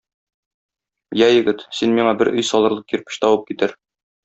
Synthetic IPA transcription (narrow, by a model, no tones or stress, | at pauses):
jæjɘ̆ɡɘt̪sinmiɴɑbɘɾʔɵ̆jsɒlˠɤ̆ɾlˠɤqjĭɾpɘ̥ɕt̪ɒwɤp̚kit̪ɘɾ